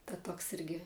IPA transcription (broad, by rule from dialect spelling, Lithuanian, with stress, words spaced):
tɐ ˈtoːks ˈɪrʲɡʲɪ